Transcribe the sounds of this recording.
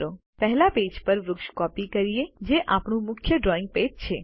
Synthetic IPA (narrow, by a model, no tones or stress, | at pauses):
ɾo | pɛɦɛlaped͡ʒpəɾʋɾʊkʃkɔpikəɾijed͡ʒeʔapɳũmʊkʰjəɖɾɔɪ̃ŋɡ̚ped͡ʒt͡ʃʰe